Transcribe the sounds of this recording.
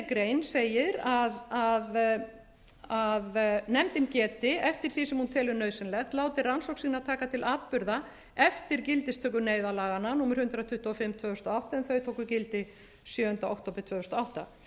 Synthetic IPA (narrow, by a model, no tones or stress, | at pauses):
kɾeːjnseːjɪɾaðað | aðnɛmt̪ɪmcɛːt̪ɪɛft̪ɪɾ̥θisɛmhunt̪ʰɛːlʏɾnœɥðsɪnlɛxt̪laːwt̪ɪransɔwksiːnat̪ʰaːkat̪ʰɪlaːt̪̚pʏɾða | ɛft̪ɪɾcɪlt̪ɪst̪ʰœːkʏneːjðalaːɣanːanuːmɪɾ̥hʏnt̪ɾat̪ʰʏht̪uɔfɪmːt̪ʰvœːɣʏst̪ɔawht̪aɛnθœɥt̪ʰoːwkʏcɪlt̪ɪ | sjœːʏnt̪aowk̚t̪oːpɾɪ̥t̪ʰvœːʏst̪ɔawht̪a̰